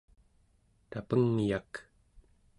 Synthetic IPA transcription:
t̪apəŋjak

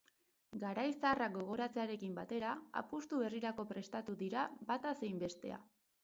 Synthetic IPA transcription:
ɡaɾajsaaːrak̚ɡo̞ɣ̞o̞ɾat͡se̞aɾe̞kimbat̪e̞ɾaa̰pust̪uβe̞riɾako̞pɾe̞st̪at̪uðiɾabat̪ase̞jmbe̞st̪e̞̰a̰

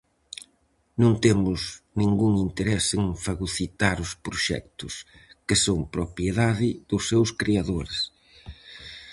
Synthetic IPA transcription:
nõnt̪emʊznĩŋɡuŋint̪eɾɛseŋfaɣuθit̪aɾʊspɾoʃɛ̰k̚t̪ʊskɪsoŋpɾopjeðaðɪð̥ʊsːewskɾeaðoɾɪs

